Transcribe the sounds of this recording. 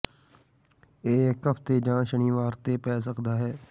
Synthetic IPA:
eːkːəpʰt̪ed͡ʒãːʃəñiːʋaːɾt̪epɛːs̬əkd̪aːɦɛː

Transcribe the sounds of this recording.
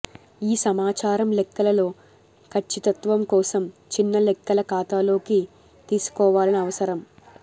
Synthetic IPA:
iːsɐmaːt͡ʃaːɾɐmlɛkːɐlɐlo̞ː | kʰɐt͡ʃːit̪ɐt̪ʋɐmkɔːsɐmt͡ʃinːɐlɛkːɐlɐkaːt̪aːlo̞ːki | t̪iːsu̥kɔːʋaːlɐniɐʋɐsɐɾɐm

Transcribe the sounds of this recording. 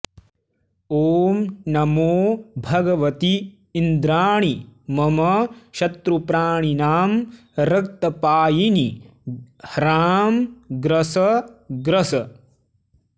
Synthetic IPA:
oːmnɐmoːbʱɐɡɐʋɐt̪iː | nd̪ɾaːɳimɐmɐʃɐt̪ɾupɾaːɳ̃inaːm | ɾɐk̚t̪ɐpaːjini | hɾaːmɡɾɐsɐɡɾɐsɐ

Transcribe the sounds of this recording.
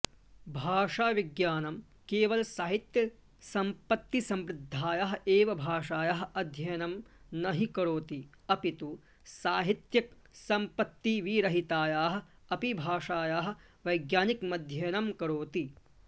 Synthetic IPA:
bʱaːʂaːʋiɡjaːnɐm | keːʋɐlɐsaːɦit̪jɐ | sɐmpɐt̪ːisɐmɾɪd̪ʱːaːjaɦɐ̆eːʋɐbʱaːʂaːjaɦɐ̆ɐd̪ʱjɐjɐnɐm | nɐɦikɐɾoːt̪i | ɐpit̪u | saːɦit̪jɐk̚ | sɐmpɐt̪ːiʋiːɾɐɦit̪aːjaːɦɐ̆ | ɐpibʱaːʂaːjaːɦɐ̆ | ʋɐjɡjaːnikmɐd̪ʱjɐjnɐmkɐɾoːt̪i

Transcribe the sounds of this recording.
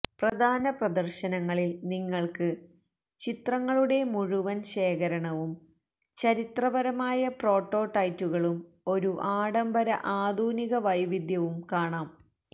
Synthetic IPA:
prɐd̪ʱaːnɐprɐd̪ɐrɕɐnɐŋːɐɭilniŋːɐɭkɨ | t͡ɕit̪rɐŋːɐɭuɽe̞muɻuʋɐnɕe̞ːkɐɾɐɳɐʋum | t͡ɕɐɾit̪rɐʋɐɾɐmaːjɐpro̞ːʈːoːʈɐjtːuɣɐɭum | o̞ɾuʔaːɽɐmbɐɾɐʔaːd̪ʱuːniɣɐʋɐjʋid̪ʱjɐʋumkaːɳaːm

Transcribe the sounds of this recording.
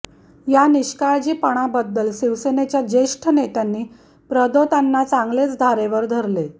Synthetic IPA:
janiɕkaɭd͡ʑiːpəɽ̃abəd̪ːəlsiʋsenet͡ɕjad͡ʑeʂʈʰənet̪janːiː | pɾəd̪ot̪anːat͡saŋɡlet͡sd̪ʱaɾeʋəɾd̪ʱəɾle

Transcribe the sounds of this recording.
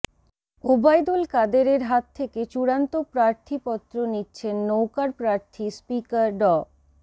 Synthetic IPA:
obajd̪olkad̪eɾeɾɦat̪ʰːeket͡ɕuɾant̪opɾaɾt̪ʰipɔt̪ːɾonitːɕʰenːowkaɾpɾaɾt̪ʰispikaɾɖɔ

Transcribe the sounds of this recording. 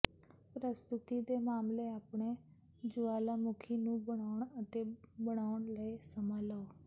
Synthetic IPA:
pɾəst̪ʊt̪iːd̪eːmaːmleːaːpɳeː | d͡ʒʊaːlaːmʊkʰiːnũːbəɽ̃aːʊɳət̪eːbəɽ̃aːʊɳləiːsəmaːləoː

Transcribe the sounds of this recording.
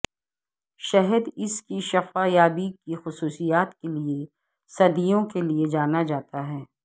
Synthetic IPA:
ʃɛɦəd̪ɪskiʃɐfaːjaːbikixʊsuːsijaːt̪kelie | sɐd̪ijõkelied͡ʒaːnad͡ʒaːt̪aɦɛː

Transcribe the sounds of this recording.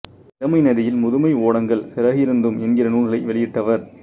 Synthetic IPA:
ɪɾɐmɐɪnɐðɪjɪlmʊðɯmɐɪoːɽɐŋɡɐɭsɪɾɐɣɪɾɯnd̪ɯmɛnɡɪrɐnuːnɡɐɭɐɪʋɛɭɪjɪʈːɐʋɐɾ

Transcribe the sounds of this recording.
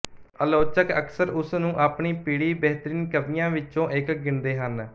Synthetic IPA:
əloːt͡ʃəkəksəɾʊsnũːʔaːpɳiːpiːɽiːbɛɦt̪əɾiːnkəd̪ɪjãːʋɪt͡ʃːõːʔɪkɡɪnd̪eːɦən

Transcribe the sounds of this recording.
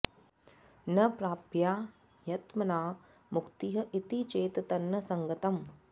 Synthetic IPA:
nɐpɾaːpjaː | jɐt̪mɐnaː | mukt̪iɦɐʔit̪it͡ʃeːt̪ɐt̪ɐnːɐsɐŋɡɐt̪ɐm

